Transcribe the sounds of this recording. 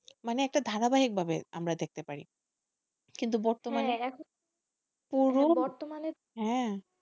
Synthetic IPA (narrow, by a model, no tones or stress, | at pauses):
maneɛk̚ʈad̪ʱaɾabaɦik̚bʱabea̰mɾad̪ek̚t̪epaɾḭ | kint̪̬ubɔɾt̪oɦmaneɛkʰo | puɾoɔɾt̪omane | ɦɛ̃